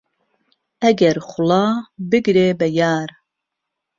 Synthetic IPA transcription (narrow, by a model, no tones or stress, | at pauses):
ɛɡɛɾxʊlɑːbɨɡɾeːbɛjɑːɾ